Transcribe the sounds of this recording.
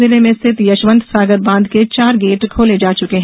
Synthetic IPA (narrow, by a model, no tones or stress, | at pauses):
ɪlemẽst̪ʰɪt̪jɐʃʋə̃nd̪saːɡəɾbãːnd̪ket͡ʃaːɾɡeːʈkʰoːled͡ʒaːt͡ʃʊkeɦɛ̃